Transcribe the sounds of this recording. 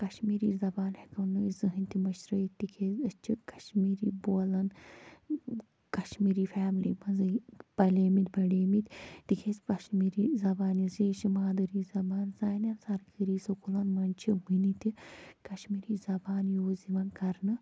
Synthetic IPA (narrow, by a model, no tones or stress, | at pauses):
kɐʃmiːɾiːzɐbaːnhekɐnɨizɨɦɨnʲt̪imɐʃɾɐit̪ikʰezɐt͡ʃʰikɐʃmiːɾiːboːlɐn | kɐʃmiːɾiːfaːmlḭːmɐzɨpɐleːmit̪bɐɖeːmit̪ʲt̪ikʰesʲkɐʃmiːɾizɐbaːniziːʃimaːd̪ɨɾiːzɐbaːnzaːnɐnsɐɾkiɾiːsokulɐnmɐnʲt͡ʃʰiwinit̪ikɐʃmiːɾiːzɐbaːnjoːziʋɐnkɐɾnɨ